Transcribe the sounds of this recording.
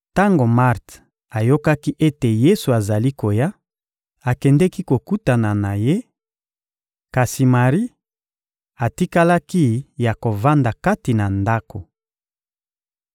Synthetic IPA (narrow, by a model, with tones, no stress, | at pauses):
ta˦ŋɡo˨ma˦ʁt | a˨jo˦ka˦ki˦ʔe˦te˨je˦su˨a˨za˨li˦ko˨ja˦ | a˨kɛ˨ndɛ˦ki˦ko˨ku˦ta˨na˨na˨je˦ | ka˨si˨ma˨ʁi˦ | a˨ti˦ka˦la˦ki˦ja˨ko˨va˦nda˨ka˦ti˨na˨nda˦ko˨